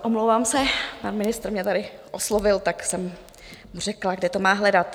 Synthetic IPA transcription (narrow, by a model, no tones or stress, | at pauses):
ʔomlowvaːmsɛpanmɪnɪst̪ɾmɲɛt̪adɪʔoslovɪlt̪aksɛm | r̝ɛklaɡdɛt̪omaːɦlɛdat̪